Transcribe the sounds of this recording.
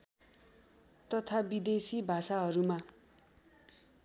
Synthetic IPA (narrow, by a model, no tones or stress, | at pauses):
t̪ʌt̪ʰabid̪esibʱasaɦʌɾuma